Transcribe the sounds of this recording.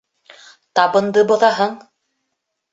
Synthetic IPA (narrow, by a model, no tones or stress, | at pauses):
t̪ɑbɤ̆nd̪ɤbŏðɑɦɤɴ